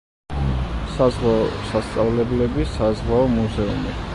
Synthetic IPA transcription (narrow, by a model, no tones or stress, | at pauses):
sazʁwaɔsast̪sʼavlɛblɛbisazʁwaɔmuzɛumi